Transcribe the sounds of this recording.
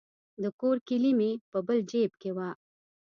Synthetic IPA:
d̪əkoɾkilimepəbəld͡ʒeb̚kewa

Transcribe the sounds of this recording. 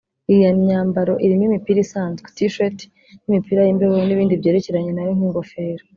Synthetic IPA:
ijaɲaːmbaɾo̞ʔiɾimimipiɾisaːnzɡe̥tiʃoti̥ | nimipiɾajimbeβouniβiːndibje̞ːɾe̞ce̞ɾaɲe̞najoŋiːŋɡo̞fe̞ːɾo

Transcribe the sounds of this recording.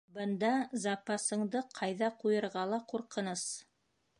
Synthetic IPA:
bɤ̆nd̪ɑzɑpɑsɤ̆ɴd̪ɤqʰɑjðɑqujɤ̆ɾʁɑlˠɑquɾqɤ̆nɤs

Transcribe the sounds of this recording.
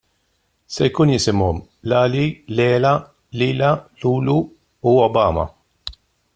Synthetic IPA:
sɛjkuːnjɪsɪmɔmlɐːlilɛːlɐ | liːlɐluːlu | uɔbɐːmɐ̰

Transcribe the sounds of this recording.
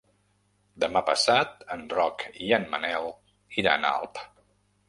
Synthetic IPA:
d̪əmapə̰sat̪ənrɔkianmənɛlˠ | iɾa̰əna̰lˠp

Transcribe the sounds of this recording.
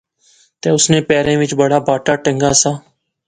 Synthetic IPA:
t̪eːʊsnẽːpɛːɾẽːʋɪt͡ʃbəɽaːbʱaːʈaːʈə̃ŋɡaːsaː

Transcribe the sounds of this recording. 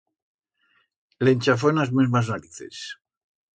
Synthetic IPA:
lenʲt͡ʃaf̬onazmezmaznaɾiθḛs

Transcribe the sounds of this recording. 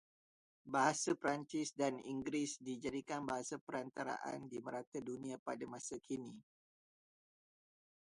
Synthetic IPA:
baɦasapɾaɲt͡ʃɪsdanḭŋɡɾisdid͡ʒadikanbaɦasapəɾant̪aɾa̰ʔa̰ndiməɾat̪adunĩapadamãsakʰini

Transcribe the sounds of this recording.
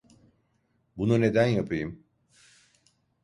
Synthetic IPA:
bunune̞d̪ænjapʰɯjɯm

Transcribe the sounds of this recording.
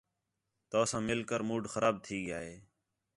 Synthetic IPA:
t̪oːsãːmɪlkəɾmuːɖxəɾaːb̚t̪ʰiːɡɪjaːɦeː

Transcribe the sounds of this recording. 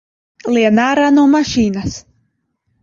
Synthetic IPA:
liɛnaːɾaːnuɔmaʃiːnas

